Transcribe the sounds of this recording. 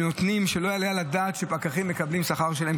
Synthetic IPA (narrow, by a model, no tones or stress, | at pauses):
no̞t̪nimʃelo̞jalejalad̪aːt̪ʃe̞pakaχimːe̞kablimsaχaʁʃelahem